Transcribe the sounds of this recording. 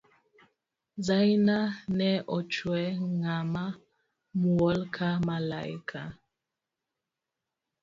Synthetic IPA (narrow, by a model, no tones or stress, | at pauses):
zajnanɛʔɔt͡ʃwɛŋama | muɔlkʰamala̰ḭkʰa